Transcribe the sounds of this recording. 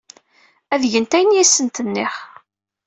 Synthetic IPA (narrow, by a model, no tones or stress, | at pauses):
æðʝənt̪æjənjæsːənt̪ənːɪχ